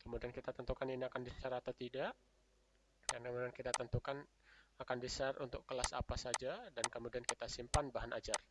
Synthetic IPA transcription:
kəmudiankit̪at̪ənt̪ukaniniakandisaɾat̪at̪idaʔ | dankəmudiankit̪at̪ənt̪ukan | akandisarṵnt̪ʊkːəlasa̰pasad͡ʒadankəmudiankit̪asimpanbaɦanʔa̰d͡ʒar

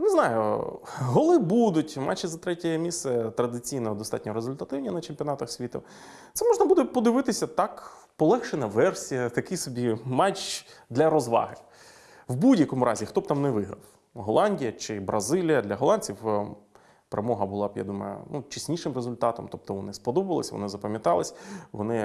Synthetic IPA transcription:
neznɑjʊ̰ɦɔlˠɪbud̪ʊtʲmɑ̰t͡ʃːizɐt̪ɾɛtʲɛjɛmʲist̪sɛt̪ɾɐd̪ɪt͡sʲijnɔɦɔd̪ɔst̪ɑ̰tʲnʲɔɾezʊlʲt̪ɐt̪ɪwnʲinɐt͡ʃemʲpʲiɔnɑt̪ɐxsʲʋʲit̪ʊ̰ | t̪sɛmɔʒnɐbud̪ɛpɔd̪ɪʋɪt̪ɪsʲɐt̪ɑk | pɔlˠɛxʃenɐʋɛrsʲijɐt̪ɐkɪsɔbʲimɑt͡ʃd̪lʲɐɾɔzʋɑ̰ɦɪ | wbudʲjɐkɔmʊɾʔɑzʲixt̪ɔb̚t̪ɑmnɛʋɪɦɾɐ̰w | ɦɔlˠɑnʲdʲijɐt͡ʃɪbɾɐzɪlʲijɐd̪lʲɐɦɔlˠɑnʲt͡sʲiw | peɾḛmɔɦɐbʊlˠɑbja̰d̪umɐ̰jʊ̰nut͡ʃisʲnʲiʂɪmrezʊlʲt̪ɑt̪ɔmt̪ɔp̚t̪ɔʋɔnɪspɔd̪ɔbɐlˠɐsʲʋɔ̰nɪzɐpɐmʲjɐt̪ɑlˠɪsʲʋɔ̰nɪ

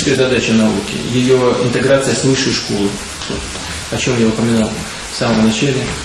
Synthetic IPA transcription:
kəjzɐd̪at͡ɕɪnɐṵkʲɪ̰jɪjo̞ɪ̰nt̪ɨɡɾat̪sɨjəsvɨʂːɨjʂko̞lˠɨ | t̪o̰t̪ | ɐt͡ɕo̞mjaʊpəmʲɪnalˠ | fsaməmnɐt͡ɕalʲɪ

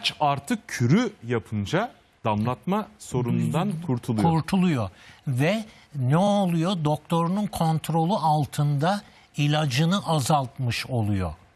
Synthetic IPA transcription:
t͡ʃaɾt̪ʰɯk̚cʰyɾyjapʰɯnd͡ʒa | d̪̥amlˠat̪maso̞ɾunund̪ankʰuɾt̪ʰulˠujuɾt̪ʰulˠujovɛ | nɛo̞lˠujod̪o̞k̚t̪ʰo̞ɾununkʰo̞nt̪ʰɾo̞lˠuʔalˠt̪ʰɯnd̪a | ilʲad͡ʒɯnɯʔazalˠt̪mɯʃo̞lˠujo̰

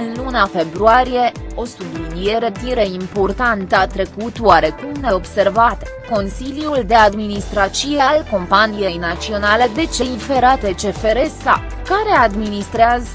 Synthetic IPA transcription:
ɨnlunafe̞bɾuaɾije̞o̞sud̪unijeɾe̞t̪iɾeimpo̞rt̪ant̪at̪ɾe̞kut̪waɾe̞kumneo̞bse̞rvat̪ | ko̞nsiljuld̪e̞ad̪minist̪ɾat͡ʃiealko̞mpanije̞jnat̪sio̞nale̞d̪e̞t͡ʃe̞ife̞ɾat̪e̞t͡ʃe̞fe̞ɾe̞sa | kaɾe̞ad̪minist̪ɾeaz

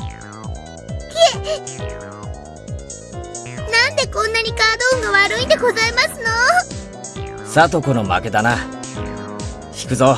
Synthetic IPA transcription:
ke | nãnd̪e̞kõ̞nːaɲ̟ikaːd̪oːŋɡaβaɾɯ̟ĩnd̪eɡo̞zaemasɨno̞ | sat̪o̞konoma̰ke̞d̪ana | çi̥kɯ̟zo

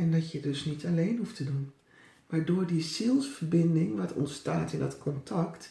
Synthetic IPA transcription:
ɛndɔtjədøsnitʰaleːnɦuftədun | maːɹdoːɹdisilˠsfərbɪndɪŋʋɔtʰɔ̰ntstaːtɪndɔtkʰɔntʰɑkt

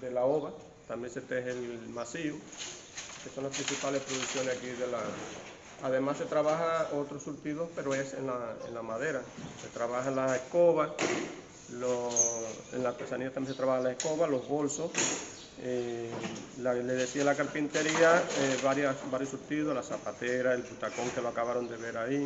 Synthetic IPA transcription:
d̪e̞laoβa | t̪ambje̞nse̞t̪ehelmasiu | keso̞nlaspɾĩnsipalespɾoðuksjo̞nesakiðe̞la | aðe̞masːe̞t̪ɾaβahaot̪ɾosuɾt̪iðo̞spe̞ɾoe̞se̞̰nlaḛnlamaðe̞ɾase̞t̪ɾaβahaenlasehko̞βa | lo | ḛnlaɾt̪e̞saniðat̪amjẽst̪ɾaβahanlaehko̞βalo̞zβolsos | e | laleðe̞sialakaɾpint̪e̞ɾiaeβaɾjasbaɾjosuɾt̪iðoslasapat̪eɾaelput̪ako̞ŋkeloakaβaɾo̞nd̪e̞βe̞ɾai

